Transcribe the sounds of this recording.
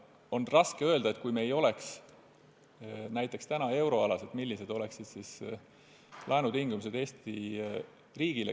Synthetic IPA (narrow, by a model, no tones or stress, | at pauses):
o̞nrɑskeø̞ld̪ɑe̞t̪̚ːkujme̞jo̞le̞ks | næjt̪ːˑe̞kst̪ænɑe̞wɾo̞ɑlɑse̞t̪milːise̞d̪̥o̞le̞ksid̪̥sis | lʔɑenud̪̥iŋɡ̥umise̞d̪̥e̞ːst̪i | riːɡ̥ile